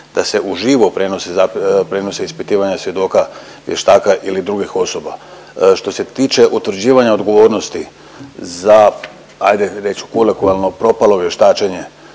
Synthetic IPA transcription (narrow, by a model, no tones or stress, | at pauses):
d̪̥ase̞ʔuʒiːʋopɾeno̞sezapɾe̞no̞seispit̪iːʋaɲasʋje̞d̪o̞ːka | ʋje̞ʃt̪aːkaʔilid̪ɾuɡixo̞so̞ba | ʃt̪o̞se̞t̪iːt͡ʃe̞ʔut̪ʋɾd͡ʑiːʋaɲao̞d̪ɡo̞ʋo̞ːɾno̞st̪i | za | ajd̪eɾe̞t͡ʃkulekualˠno̞pɾo̞palo̞ʋje̞ʃt̪aːt͡ʃe̞ɲe̞